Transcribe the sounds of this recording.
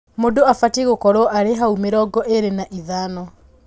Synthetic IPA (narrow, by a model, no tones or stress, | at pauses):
modoafatiɣokɔɾwɔʔaɾeɦaumeɾɔɡɔʔeɾenaʔiðaːnɔ